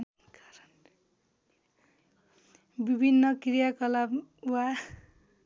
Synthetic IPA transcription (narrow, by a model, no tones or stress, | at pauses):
kaɾʌn | bibʱinːʌkrijakʌlabuwa